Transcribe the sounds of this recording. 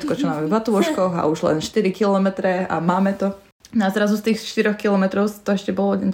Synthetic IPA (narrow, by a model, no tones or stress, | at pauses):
t̪kɔt͡ʃɔmaːmɛvat̪uɔʃkkɔɣa̰uʒlɛ̰nʃt̪iɾikilɔmɛt̪ɾɛa̰maːmɛt̪ɔ | nazɾazust̪iːxʃt̪iɾɔxkilɔmɛt̪ɾɔʊst̪ɔɛʃcɛbɔlɔdɛ